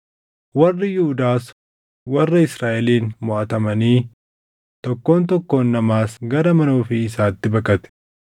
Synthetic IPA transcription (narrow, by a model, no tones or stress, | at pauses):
wɐrːɪjʊhʊd̪aːs | wɐrːɐɪsɾaːʔɛliːnmɔʔɐt̪ɐmɐniː | t̪ɔkːo̞ːnt̪ɔkːo̞ːnːɐmaːsɡɐɾɐmɐnoːfɪɪsaːt̪ːɪbɐkʼɐt̪ɛ̥